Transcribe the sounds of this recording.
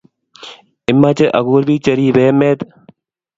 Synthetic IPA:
ɪmːaːt͡ʃeʔɐɣuːɾbiːt͡ʃəɾiːʋeːmeːt̪

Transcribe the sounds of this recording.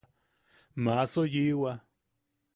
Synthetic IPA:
mãsojiwa

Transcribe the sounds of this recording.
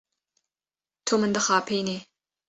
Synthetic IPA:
t̪ʰomɨnd̪ɐχɑːpʰejne

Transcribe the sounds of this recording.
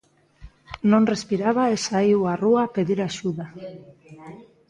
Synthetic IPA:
nõŋrespiɾaβaesaiwaruapeðiɾaʃuða

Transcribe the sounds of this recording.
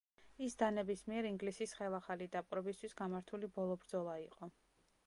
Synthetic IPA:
isd̪anɛbismiɛɾiŋɡlisisχɛlˠaχalid̪apʼɾɛbist̪ʰwisɡamaɾt̪ʰulibɔlˠɔbɾd̪zɔlˠaiqʼɔ

